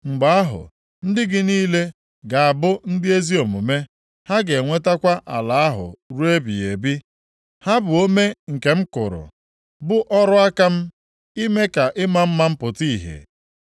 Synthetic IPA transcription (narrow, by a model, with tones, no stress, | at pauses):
ŋ͡m̩˨ɡ͡ba˦a˦ɦʊ̰˨ | n̩˦dɪ˦ɡɪ˨niː˦le˦ | ɡa˨a˨bʊ˦n̩˦dɪ˦e˦zi˦o˨mʊ˨me˦ | ha˦ɡe˨ŋʷe˦ta˦kʷa˦ʔa̰˨la˨a˦ɦʊ̰˨ɾu˦e˦bḭ˨e˨bi˦ | ha˦bʊ˨o˦me˦ŋ̩˨ke˨m̩˦kʊ̰˨ɾʊ̰˨ | bʊ˦ʔɔ˦ɾʊ˦a˦ka˦m̩˦ | i˦me˦ka˨ʔɪ˦ma˦m̩˦ma˦m̩˦pʊ˨ti˦i˨ɦḛ˨